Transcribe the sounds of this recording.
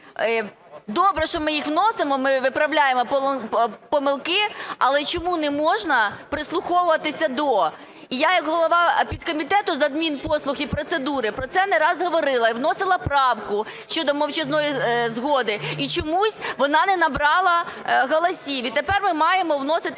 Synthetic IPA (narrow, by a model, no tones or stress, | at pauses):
d̪ɔbɾɛʃt͡ʃɔmɪjixʋnɔsɪmɔmɪʋɪpɾɐwlʲajemɔp | pɔmɪlˠkɪɐlˠɛt͡ʃɔmunɛmɔʒnɐpɾɪslˠʊxɔʋʊʋɐt̪ɪsʲɐd̪ɔ | ijajɐkɦɔlˠɔʋɑpʲid̪kɔmʲit̪ɛt̪ʊzɐd̪mʲinpɔslˠʊxipɾɔt̪sed̪uɾɪpɾɔt̪sɛnɛɾɑzɦɔʋɔɾɪlˠɐiwnɔsɪlˠɐpɾɑwkʊ | ʃt͡ʃɔd̪ɔmɔwt͡ʃɛznɔjizɦɔd̪ɪit͡ʃɔmusʲʋɔnɑnɛnɐbɾɑlˠɐɦɔlˠɔsʲiʋit̪epɛrmɪmɑjemɔʋnɔsɪt̪ɪ